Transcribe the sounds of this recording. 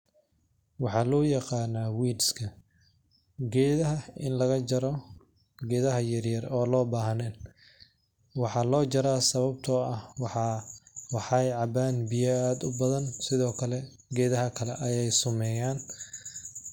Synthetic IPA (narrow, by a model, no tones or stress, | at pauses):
wɑħɑːlɔːjɑqɑːnaːwiːdskʰɐ | ɡɛːðɐɦɐɪ̰nlɐɣɐd͡ʒɐɾɔ | ɡɛːðɐɦɐjɐrjɐrɔːlɔːbaːɦɐnɛːn | wɑħɑːlɔːd͡ʒɐɾaːsɐβɐb̚t̪ʰɔːʔɐwħɑwɑħɑjʕɑbaːnbɪjɐaːd̪ʊbɐðɐnsɪðɔːkʰɐlɛ | ɡɛːðɐɦɐkʰɐlɛʔɐjɛjsʊmɛːjaːn